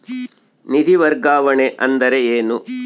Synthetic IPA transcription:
nid̪ʱiʋɐɾɡaːʋɐɳeʔɐnd̪ɐɾeeːnu

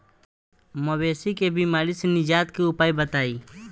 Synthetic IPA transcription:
mɐbeːsikebiːmaːɾisenɪd͡ʒaːt̪kiʊpaːibət̪aːiː

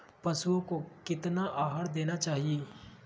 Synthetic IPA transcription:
pɐsuõkokɪt̪naʔaːɦaɾd̪eːnat͡ʃaːɦieː

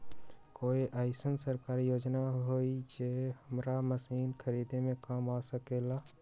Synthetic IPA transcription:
koːiʔaːɪsənsəɾkaːɾijoːd͡ʒnaɦoid͡ʒehəmɾaməsiːnkʰəɾiːd̪emẽkamasəkeːlaː

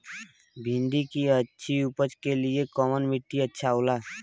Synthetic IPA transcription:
bʱind̪ikiətːʃʰiupət͡ʃkeliekɔmənmiʈːiətːʃʰaola

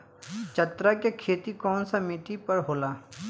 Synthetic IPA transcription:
t͡ʃɐt̪ɾakekʰeːt̪ikɔːnsamiːʈipɐɾɦoːlaː

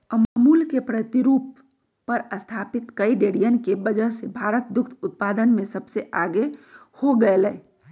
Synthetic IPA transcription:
əmamulkepɾət̪iɾuːpː | əɾəst̪ʰapit̪kəiɖeɽijənkebəd͡ʒəɦsebʱaɾət̪̚d̪ʊkʰt̪ʰʊt̪̚pad̪ənmẽsəbseʔaɡehoɡəelɛː

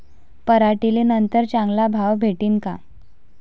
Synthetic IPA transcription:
pəɾaʈiliːnənt̪əɾt͡ɕãŋɡlabʱaʋbʱeʈiːnka̰

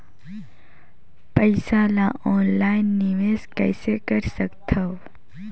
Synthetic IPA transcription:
pəɪsalaɔːnlaːinːiʋeskə̰jsekəɾsəkt̪ʰəw

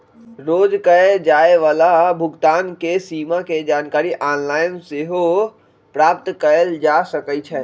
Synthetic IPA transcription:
ɾoːd͡ʒkəed͡ʒaːeʋaːlabʱʊɡt̪aːnkesiːmaked͡ʒaːnkaːɾiʔaːnlaːɪnseɦo | pɾaːp̚t̪kəɾəld͡ʒasəkət͡ʃʰɛ

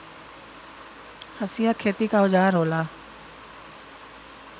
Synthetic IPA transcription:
hɐsɪjakʰeːt̪ikaʊd͡ʒaːɾɦoːlaː

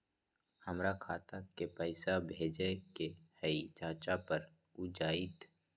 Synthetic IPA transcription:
həmɾakʰaːt̪akepəɪsabʱeːd͡ʒekehəit͡ʃaːt͡ʃapəɾ | ud͡ʒaːit̪

